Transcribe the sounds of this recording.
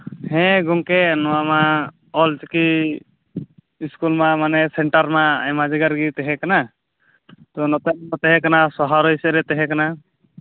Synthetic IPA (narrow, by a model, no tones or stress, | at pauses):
hɛ̃ɡɔŋkɛnɔwama | ɔlt͡ʃki | iskulmamanɛsɛɳʈaɾmaa̰jmad͡ʒɛɡaɾɡit̪ɛɦɛ̃kana | t̪ɔnɔt̪ɛɔt̪ɛɦɛ̃kanasɔɦaɾɔjsɛɾɛt̪ɛɦɛ̃kana